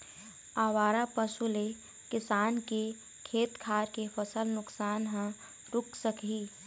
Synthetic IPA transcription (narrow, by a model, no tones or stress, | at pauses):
aːwaːɾapəsule | kɪsaːnke | kʰeːt̪kʰaːɾkepʰəsəlnʊksaːnɦə̃ | ɾʊkʰsəkɦiː